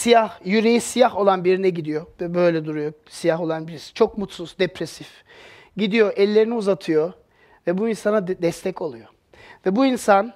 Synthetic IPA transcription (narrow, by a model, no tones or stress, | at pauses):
sijahjyɾejisijaho̞lˠanbiɾinɛɟid̪ijo̞vɛbøjlʲɛd̪uɾujo | sijaɦo̞lˠanbiɾisi̥t͡ʃʰo̞kmut̪suz̥d̪epɾesif | ɟid̪ijo̞ʔɛlʲːe̞ɾiniuzat̪ʰɯjo | vɛbuinsanad̪ɛst̪ʰɛco̞lˠujo̞ | vɛbuinsan